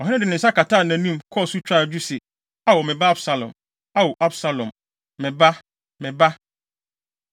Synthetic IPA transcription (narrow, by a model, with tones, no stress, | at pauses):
ɔ˨ɦɪ̃˦ɪ̃˦dɪ˨nɪ̃˨n̩˨sa˦ka˨tʰaː˦˨nã˨nĩ˦˨mkʰɔ˦˨su˦t͡ɕᶣa˦˨d͡ʑᶣu˦sɪ˨ | a˦˨wɔ˨mɪ̃˨ba˦a˦bsa˨lɔ̰̃˨m | a˦wɔ˨ʔa˦bsa˨lɔ̃˨m | mɪ̃˨ba˦ | mɪ̃˨ba˦